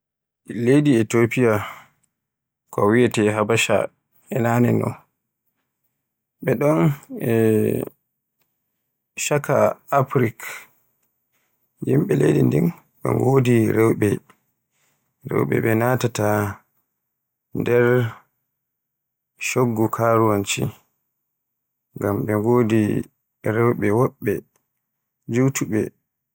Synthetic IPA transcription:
lejdietopija | kɔwiɛtɛɦabaʃa̰ | ɛnaːnɛ̰nɔ̰n | ɓɛɗɔnɛ | ʃaka̰afɾik | jimɓɛlejdindin | ɓɛ̰ŋɡodiɾɛwɓɛ | ɾɛ̰wɓɛ̰ɓɛnatata | ndɛɾ | ʃoɡːɔkʰaɾuwant͡ʃḭ | ŋɡamɓɛŋɡoːdi | ɾɛwɓɛwɔɓːɛ | d͡ʒutuɓɛ̰

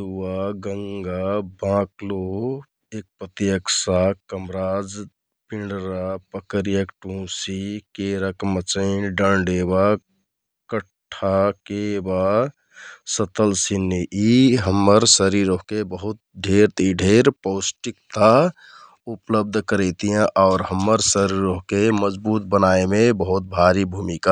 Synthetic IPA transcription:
uwaɡəŋɡabãklo | ek̚pɾət̪ijəksakəmɾaːd͡ʒ | piɳɖɾapəkəɾijəkʈũsikeɾəkmət͡ʃəɪnɖə̃ɳɖeba | kəʈʰːakeba | sət̪əlsinːiʔiɦəmːəɾsəɾiɾoɦkebəɦut̪̚ɖʱeɾt̪iɖʱeɾpoʊsʈik̚t̪a | upləb̚d̪ʱkəɾɛt̪ijãʔaʊɾɦəmːəɾsəɾiɾoɦkeməd͡ʒbuːt̪̚bənaemebəɦut̪̚bʱaɾibʱumika

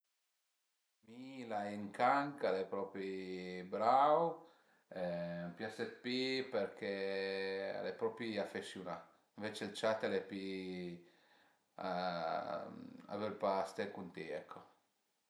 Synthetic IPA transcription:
milaɛŋkaŋkalepɾɔpɾibɾaw | ɛmpjaset̪pːipeɾkʰe | a̰lepɾɔpɾiafesjuna | iɱvet͡ʃelt͡ʃat̪ːalɛpi | a | a̰velpast̪ekunt̪eɛkʰːo

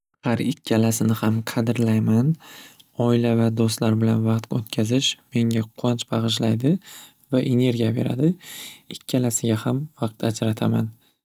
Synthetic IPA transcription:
haɾɪkʲʰːalasɪnɪhamqʰɑd̪ɪɾlajman | ɒɪlavad̪ost̪laɾbɪlanvɑqt̪ot̪kʲʰazɪʃme̞ŋaqʰɒnt͡ʃbɑʁɨʃ̬lajd̪ɪ | vaʔe̞ne̞ɾɡʲijabe̞̰ɾa̰d̪ɪɪkʲʰːalasɪɡʲahamvɑq̚t̪ad͡ʒɾat̪ʰaman

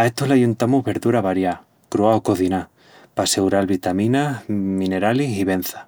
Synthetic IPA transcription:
aet̪olajunt̪amuɦβe̞ɾðuɾaβaɾja | kɾoaokoθina | pasewɾalβit̪amĩnamĩneɾalisiβen̟θḁ

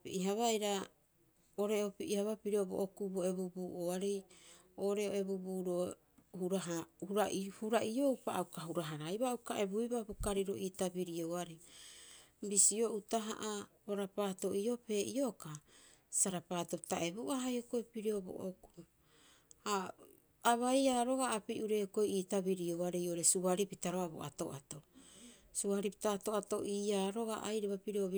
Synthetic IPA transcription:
piiɦaβajɾa | oɾeopiʔihaβapiɾiobo̰ʔokuboe̞bubuːʔoaɾej | oːɾeoe̞bubuːɾo | huɾaɦahuɾaʔhuɾaʔio̞wpaakaɦuɾaɦaɾajβaukaʔe̞bujbabukaɾiɾo̞̰ʔitabiɾioaɾi | bisio̞ʔutaɦa̰ʔa | oɾapaːto̞ʔio̞pe̞ːʔio̞ka | saɾapaːto̞ptaʔe̞buʔaɦajokoipiɾeo̞bo̰ʔoku̥ | a | aβajaːɾo̞ɡaːpiʔuɾe̞oko̞jiːtaβiɾio̞waɾejoɾe̞suaɾipitaɾoabo̰ʔa̰to̞̰ʔato | suaɾipi̥taːto̞ato̞ʔiːaːɾo̞ɡa̰ʔajɾeβapiɾioβ

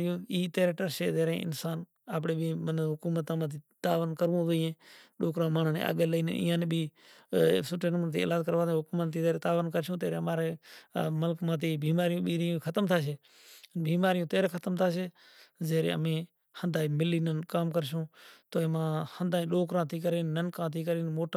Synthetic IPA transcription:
jõːiːt̪eːɾeːʈəɾʃeːzeːɾḛ̃ːɪ̰nsaːn | aːp̬ɽeːbiːmənɦʊkuːmət̪ãːmãːt̪iːt̪aːʋnkəɾʋũːd̪əːẽːɗoːkɾãːmaːɳːnḛːa̰ːɡeːləiːnəɪ̰ːãːneːbʱiː | sʊʈeːnmt̪ʰiːḛːlaːd̪kəɾʋaːd̪ɦʊkuːmət̪ːiːzeːɾeːt̪aːʋənkəɾʃõːt̪eːɾeəmaːɾeːməlkmãːt̪̬iːbiːmaːɾijõːɓiːɾiũːkʰət̪əmt̪ʰaːʃeː | biːmaːɾɪjõːt̪eːɾeːkʰət̪əmt̪ʰaːʃeː | zeːɾḛːəmẽː | hənd̪aːiːmɪliːnənkaːmkəɾʃ̬õːt̪oːeːmãːhənd̪aːĩːɗoːkɾãːt̪iːkəɾeːnːənkãːt̪ʰiːkəɾeːnmoːʈa

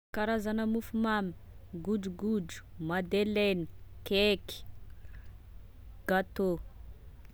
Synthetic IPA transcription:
kaɾazanəmufumami | ɡuɖ͡ʐuɡuɖ͡ʐu̥mad̪eleni̥keki̥ | ɡ̥at̪o

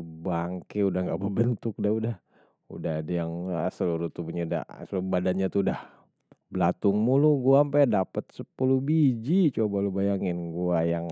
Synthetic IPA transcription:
baŋkeudahŋɡaʔbəbənt̪ʊk̚dahudah | ṵdaɦadajaŋsəluɾut̪ubuɲauda̰səluɾubadanɲat̪udah | bəlat̪uŋmuluɡuaːmpadapət̪̚səpulubid͡ʒit͡ʃobalubajaŋɪnɡuajaŋ

